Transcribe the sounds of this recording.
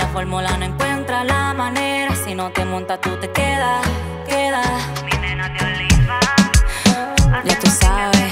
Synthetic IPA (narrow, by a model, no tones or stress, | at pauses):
lafoɾmulanoeŋkwe̞nt̪ɾalamãne̞ɾasino̞t̪emõnt̪at̪ut̪e̞keða | keða | minenat̪ealiβa | ʝat̪usaβe